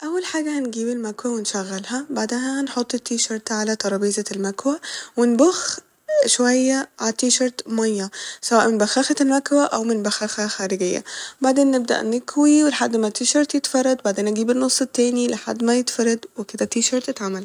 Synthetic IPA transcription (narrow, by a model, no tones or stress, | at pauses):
ʔæwːælħaːɡæhnɡiːbelmækwæwenʃæɣːælhæbaʕd̪æɦænħot̪ˤːet̪ːiːʃɑɾˤt̪ʕalæt̪ˤɑɾˤɑːbiːzælmækwæwenbox | ʃowæjːæʕat̪ːiːʃɑɾˤt̪mɑjːæsæwæːʔmenbæxæːxælmækwæʔæwmɪnbæxæxæxæːɾeɡejːæ̰baʕd̪eːnːɪb̚d̪æ̰ʔnɪkwiweleħad̪ːmæt̪iːʃɑɾˤt̪jet̪fɑrˤːɑd̪ˤbaʕd̪eːnʔɡiːbenːosˤːet̪ːæːnileħa̰d̪ːmæjet̪fɑɾˤːɑd̪weked̪æt̪iːʃɑɾˤt̪et̪ʕamæl